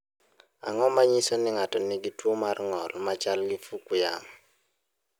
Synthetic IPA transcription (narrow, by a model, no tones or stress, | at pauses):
a̰ŋɔmaɲisonɪŋatɔniɡitwomarŋɔlmat͡ʃalɡifukʊja̰m